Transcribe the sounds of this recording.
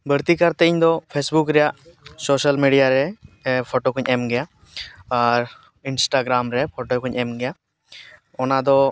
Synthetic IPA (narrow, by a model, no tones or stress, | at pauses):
bʱəɾt̪ikaɾt̪ɛiɲd̪ɔpʰesbukɾɛjaʔsoːʃəlmiɖijaɾɛpʰoʈokʰũɲʔɛmɡɛja | aɾ | insʈaɡɾamɾɛpʰoʈokʰuɲʔɛmɡɛja | ɔnad̪ɔ